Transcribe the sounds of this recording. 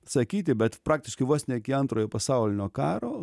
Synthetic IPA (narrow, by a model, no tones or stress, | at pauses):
sɐkʲiːt̪ʲɪbʲɛt̪pɾɑːk̚t̪ʲɪʃkɐɪʋoːsnʲɛkʲɪɐnt̪ɾoːjoːpɐsɑʊlʲɪnʲoːkɑːɾoː